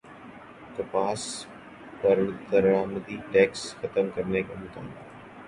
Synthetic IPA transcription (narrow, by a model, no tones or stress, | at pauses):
kəpaːs | pɐɾt̪əɾɽaːməd̪iʈɛːksxɐt̪əmkɐɾnekamʊt̪ʰaːa